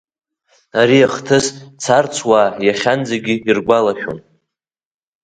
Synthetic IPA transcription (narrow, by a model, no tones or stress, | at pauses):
aɾiaχtʰɨst͡sʰart͡sʷʰwaːjaχʲand͡zaɡʲɪirɡʷalaχʲᶣo̰n